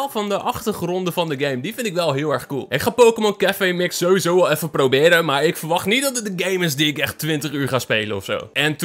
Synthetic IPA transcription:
lˠfɑndəʔɑχtərχrɔndəvɑndəɡejmdifɪndɪkʋɛlˠɦɪəlˠɛɹχkulˠɪkχaːpoːkəmɔnkɛfemɪksoːʋizowʋɛlˠɛfəprowbɪːɾəmaːɹɪkfəɹʋɑχtnit̚dɔtədəɡejmɪs̬diɪkɛxtʋɪntəχyːɹχaːspejlənɔfso̰wɛnt

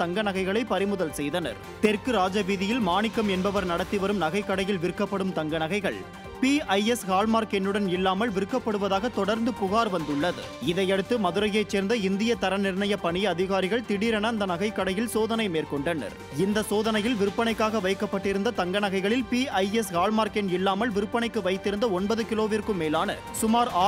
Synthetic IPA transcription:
t̪ɐŋɡɐnɐɣɐɪɣɐɭɐɪpɐɾɪmɯðɐlsɛjðɐnɐ̰ɾ | t̪ɛrkɯɾaːd͡ʒɐʋiːðɪjɪlmaːɳɪkːɐmɛnbɐʋɐɾnɐɽɐt̪ːiʋɐɾɯmnɐɣɐɪkːɐɽɐjɪlʋɪɾɯkːɐpːɐɽɯmt̪ɐŋɡɐnɐɣɐɪɣɐɭ | piːɐjɛshaːlmaːɾkɛnːɯɽɐnɪlːaːmɐlʋɪɾɯkːɐpːɐɽɯʋɐðaːɣɐt̪ɔɽɐɾnd̪ɯpʊɣaːɾʋɐnd̪ɯɭːɐðɯ̰ | ɪðɐɪjɐɽɯt̪ːɯmɐðɯɾɐjɐɪt͡ʃːeːɾnd̪ɐɪnd̪ɪjɐt̪ɐɾɐnɪɾɳɐjɐpːɐɳɪjɐɐðɪɣaːɾɪɣɐɭt̪ɪɽiːɾɐnɐːnd̪ɐnɐɣɐɪkːɐɽɐjɪlsoːðɐnɐɪmeːrkɔɳɖɐnɐ̰ɾ | ɪnd̪ɐsoːðɐnɐjɪlʋɪɾɯpːɐɳɐɪkːaːɣɐʋɐɪkːɐpːɐʈːɪɾɯnd̪ɐt̪ɐŋɡɐɳɐɣɐɪɣɐɭɪlpiːɐɪɛsɣaːlmaːɾkɛnɪlːaːmɐlʋɪɾɯpːɐɳɐɪkːɯʋɐɪt̪ːɪɾɯnd̪ɐɔnbɐðɯkɪloːʋiːɾkɯmeːlaːnɐ̰ | sʊmaːɾaː

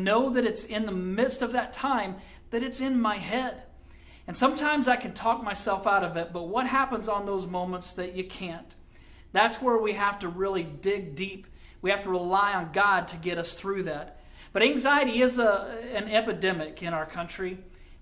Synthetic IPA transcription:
noʊðɨɾɨtsɪ̃nðəmɪdstʌvðɨtʰãɪ̃m | ðɨɾɨtsɨ̃nmaɪɦɛd | ɨ̃nsʌ̃mtʰãɪ̃mzaɪkʰɨ̃n̩tʰɔk̚maɪsɛlˠfaʊɾʌvɨt̚b̥ʌt̚wʌt̚ɦæpə̃nzn̩ðoʊzmõʊ̃mə̃ntsðɨt͡ʃɨkʰæ̃n | ðætswə˞wiɦæftɨɹɪlˠidɪɡ̚dip | wihæftəɹɪlaɪə̃nɡɑd̚tʰɨɡɛɾʌsθɹʉðæt̚ | b̥ʌɾæ̃ŋzaɪɨɾiɪzɨ̃nɛpɨdɛmɪkɨ̃ɾ̃aʊə˞kʰʌ̃nt͡ʃɹ̥i

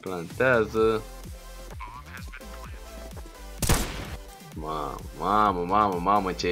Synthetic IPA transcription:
plant̪azə | ma̰mmaməmaməmamət͡ʃe

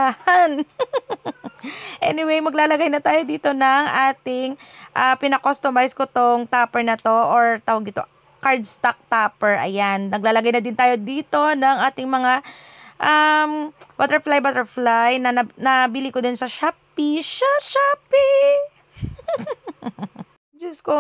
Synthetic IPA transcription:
ahɐn | ʔɛ̰nɪwejmɐɡ̚laːlɐɡajnɐt̪aːjo̞d̪iːt̪o̞nɐŋʔaːt̪ɪŋʔapɪnɐkost̪omajskot̪oŋt̪aːpɛɹnɐt̪o̞ʔoɹt̪aːwɐɡ̚nɪt̪o | kaɹd̪st̪ak̚t̪aːpɛɹʔɐ̰jannɐɡ̚laːlɐɡajnɐd̪ɪnt̪aːjo̞d̪iːt̪o̞nɐŋʔaːt̪ɪŋmɐŋaʔɐmbat̪ɛɹflajbat̪ɛɹflajnɐɐnɐbɪlikod̪ɪnsɐʃaːp̚iʃɐʃapi | d͡ʒɐsko

